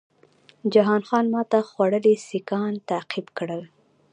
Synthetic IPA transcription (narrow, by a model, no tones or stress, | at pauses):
d͡ʒaɦɑnxɑnmɑt̪axwaɽəlesikɑnt̪aqibkɽəl